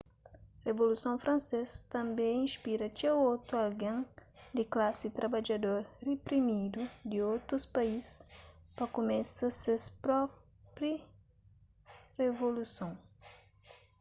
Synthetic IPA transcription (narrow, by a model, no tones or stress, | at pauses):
revolusõfɾɐ̃nsest̪ɐ̃mbẽĩspiɾɐt͡ʃawowt̪ualɡẽŋd̪ɪklasit̪ɾabad͡ʒɐd̪oɾrepɾimid̪ud̪iowt̪ɾuspaispɐkomɛ̃sɐsespɾɔ | pɾi | revolusõŋ